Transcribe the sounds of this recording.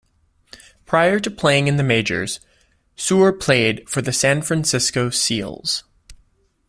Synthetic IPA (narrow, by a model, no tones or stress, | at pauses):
pʰɹ̥aɪə˞ɾɨpʰl̥eɪɪ̃ŋɨ̃nðɨmeɪd͡ʒə̰˞z̥ | suə˞pʰl̥eɪd̥fə˞ðɨsæ̃nfɹæ̃nsɪskoʊsḭlˠz̥